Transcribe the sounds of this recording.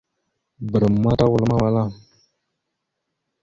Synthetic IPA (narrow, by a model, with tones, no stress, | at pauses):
bə˨ɾə˨mː˨˦a˦ta˦wu˨lma˦wa˦la˦˨